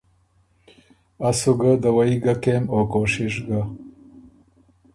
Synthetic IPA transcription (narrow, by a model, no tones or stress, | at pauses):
asuɡad̪awaiɡakemokoʃɪʃɡa